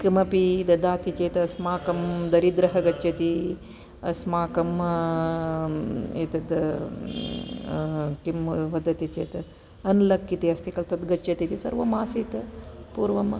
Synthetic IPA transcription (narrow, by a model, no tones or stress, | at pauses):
kimɐpid̪ɐd̪aːt̪it͡ʃeːt̪ɐɐsmaːkɐmd̪ɐɾid̪ɾɐɦɐɡɐt͡ʃːɐt̪i | ɐ̰smaːkɐm | eːt̪ɐd̪ | kimʋɐd̪ɐt̪it͡ʃeːt̪ɐ | ɐnlɐkːit̪iɐst̪ikɐlt̪ɐt̪ɡɐt͡ʃːɐt̪it̪isɐ̰ɾʋɐmaːsit̪ɐpuːɾʋɐm